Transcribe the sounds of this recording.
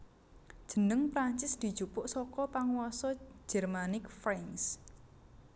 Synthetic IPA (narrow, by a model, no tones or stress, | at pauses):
d̥ʒ̥ə̤nəŋpɾaɲt͡ʃɪsd̪̥i̤d̥ʒ̥upʊʔsɔkɔpaŋwɔsɔ̥d͡ʒ̥ɛrmanɪkfɾaŋs